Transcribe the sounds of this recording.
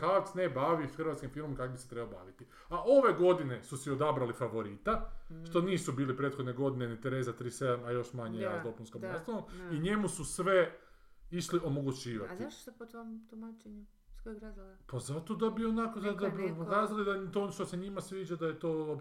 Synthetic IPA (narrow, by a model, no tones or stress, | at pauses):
kaksnebaʋixɾr̩ʋat̪kimfilmomkakobiset̪ɾebaoba̰ːʋit̪i | aʔo̞ʋe̞ɡo̞d̪ine̞susio̞d̪abɾalifaʋo̞ɾit̪aʃt̪o̞niːsubiːlipɾeːt̪xo̞d̪neɡo̞d̪inenit̪eɾe̞ːzat̪ɾiːsed̪amajo̞ʃmaɲejad̪o̞punskomast̪olomiɲe̞mususʋe̞ | iʃliʔo̞mo̞ɡut͡ɕiːʋa̰t̪iaʃt̪o̥sepot̪ʋomt̪umat͡ʃeɲu | skojɡɾazilpazat̪o̞d̪abionakozad̪abipokaːzalid̪at̪onoʃt̪oseɲimasʋiːd͡ʒad̪aje̞t̪oːo